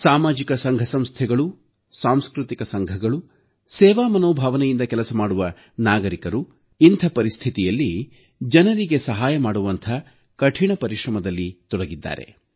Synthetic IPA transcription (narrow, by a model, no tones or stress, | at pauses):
saːmaːd͡ʒikɐsɐŋɡʱɐsɐmst̪ʰɛɡɐɭu | saːmskɾut̪ikɐsɐŋɡʱɐɡɐɭu | sɛːʋaːmɐnoːbʱaːʋɐnɛjind̪ɐkɛlɐsɐmaːɽuʋɐ | naːɡɐɾikɐɾu | int̪ʰɐpɐɾist̪ʰit̪ijɐlːi | d͡ʒɐnɐɾiɡe̞sɐɦaːjɐmaːɽuʋɐnt̪ʰɐ | kɐʈʰiɳɐpɐɾiʂɾɐmɐd̪ɐlːit̪ɔɽɐɡid̪ːa̰ːɾe̞̰